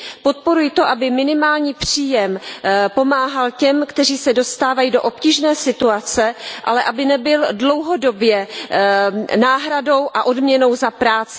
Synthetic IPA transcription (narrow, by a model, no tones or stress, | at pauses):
po̞t̪̚po̞ɾujɪt̪o̞ʔabɪmɪnɪmaːlɲiːpr̝̥iːjɛmpo̞maːɦalcɛmkt̪ɛriːsɛdo̞st̪aːvajido̞ʔopciːʒnɛːsɪt̪uat͡sɛʔa̰lɛʔabɪnɛbɪldlo̞wɦodo̞bjɛ | naːɦɾado̞wʔaʔo̞dmɲɛno̞wzapɾaːt͡sɪ